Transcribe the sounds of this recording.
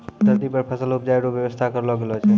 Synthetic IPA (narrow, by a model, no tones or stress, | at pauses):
d̪əɾt̪ipəɾpʰəsəlup̚d͡ʒaiɾobjəbəst̪ʰakəɾlɔɡelɔt͡ʃʰɛ